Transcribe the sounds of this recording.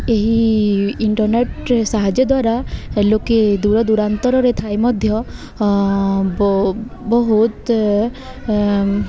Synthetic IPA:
eɦiiɳʈɔɾneʈsaɦad͡ʒjɔd̪waɾaeloked̪uɾɔd̪uɾant̪ɔɾɔɾet̪ʰajmɔd̪ʱjɔ | bɔɦut̪

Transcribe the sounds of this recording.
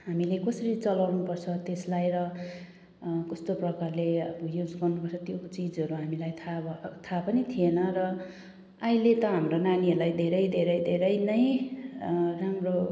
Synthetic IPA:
ɦamilekʌsʌɾit͡sʌlawnupʌrt͡sʰʌt̪eslajɾʌ | kʌst̪oprʌkarleʌbʌjud͡zɡʌrnupʌrt͡sʰʌt̪jot͡sid͡zʌɾuɦamilajt̪ʰat̪ʰapʌnit̪ʰienʌrʌ | ailet̪ʌɦamronaniʌrlajd̪ʱeɾʌjd̪ʱeɾʌjd̪ʱeɾʌjnʌj | ramro

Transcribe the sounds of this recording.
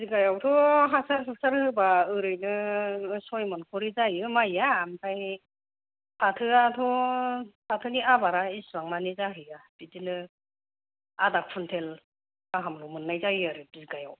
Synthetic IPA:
bizɡajawtʰɔɦasaɾpʰɯk̚saɾhɯbaɯɾɯjnɯsɔjmɔnkʰɔɾizajɯmajaːmtʰaj | pʰatʰɯatʰɔ | pʰatʰɯniabaɾaisuaŋnanizaɦɯjabitinɯ | adak̚pʰuntʰel | aɦamlɔmɯnːajzajaɾɯdizɡaja̰w

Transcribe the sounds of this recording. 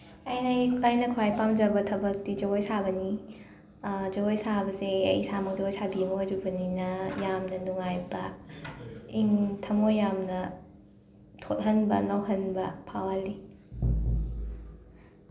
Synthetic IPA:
ɐjnajklajnɐkʰuajpamd͡ʒɐbɐtʰɐbɐk̚tid͡ʒɐɡojsabɐni | d͡ʒɐɡojsabɐseɐ̰jsamɐk̚d͡ʒɐɡojsabiɐmojɾubɐninɐjamnɐnuŋajbɐ̰ | iŋtʰɐmojːamnɐ | tʰot̚ɦɐnbɐ̰nɐwɦɐnbɐ̰pʰawali

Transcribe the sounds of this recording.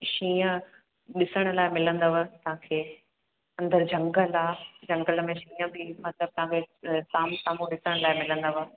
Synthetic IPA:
ʃĩːə̃ | ɗɪsəɽ̃ʊ̆laːɪmɪlə̃nd̪əʋət̪ɐɦãːkʰeː | ɐ̃nd̪əɾd͡ʑɐ̃ŋɡəlaːd͡ʑɐ̃ŋɡələmẽʃĩːə̃bʱɪmɐt̪ləb̚t̪ɐɦãkʰesaːmsaːmũɗɪsəɽ̃laːɪmɪlə̃nd̪əʋə

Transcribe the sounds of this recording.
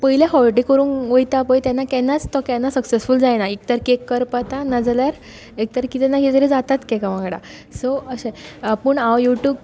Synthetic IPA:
pəɦilaɦɔlʈikəɾuːnʋəjt̪apəjt̪janːakɛnːat͡st̪ɔkɛnːasəksesfuld͡zajnaik̚t̪əɾkekːəɾpat̪anad͡zljaɾ | ek̚t̪əɾkit̪ɛnːaɦed͡zəɾed͡zat̪at̪kɛkaʋãɡɽa̰ | soəɕɛ̃pəɳawjuʈjuːb

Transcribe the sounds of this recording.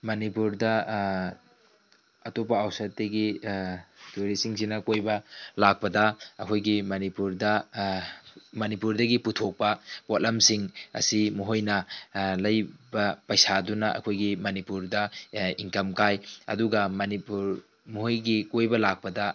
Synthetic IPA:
mɐnipuɾdɐ | ɐtopɐawsɐtːeɡi | tuɾisiŋsinɐkojbɐlak̚pɐdɐɐkʰojɡimɐnipuɾdɐ | mɐnipuɾdɐɡiputʰok̚pɐbotlʔɐmsiŋɐ̰simuɦojnɐlɐjbɐpɐjsadunɐʔɐ̰kʰojɡimɐnipuɾdɐiŋkɐmkajɐ̰duɡɐmɐnipuɾ | muɦojɡikojbɐlak̚pɐdɐ

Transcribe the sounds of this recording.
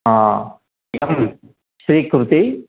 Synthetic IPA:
aː | ɐm | ʃɾiːkɾut̪i

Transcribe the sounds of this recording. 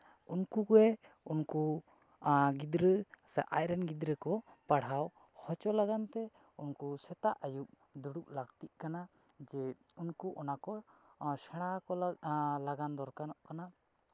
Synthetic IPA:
unkukɛ | unku | ɡid̪ɾəsɛʔa̰jɾɛnɡid̪ɾəkɔ | paɽaw | hɔt͡ʃɔlaɡant̪ɛ | unkusɛt̪aʔajuʔ̚ | d̪uɽup̚laɡt̪iʔ̚kana | d͡ʒɛ | unkuʔɔnakɔsɛɽ̃akɔlaɡand̪ɔɾkanɔʔkana

